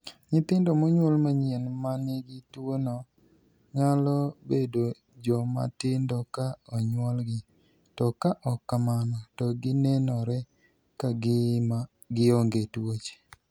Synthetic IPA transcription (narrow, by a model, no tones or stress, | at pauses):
ɲɪt̪ɪndɔmɔɲwɔlmaɲienmanɪɡɪtwonɔ | ɲalɔbedo | d͡ʒɔma̰tɪndɔkaɔɲwɔlɡɪ | tɔkaʔɔkːamanɔtɔɡɪnenɔɾɛ | kaɡɪm | ɡɪɔŋɡetwot͡ʃe̥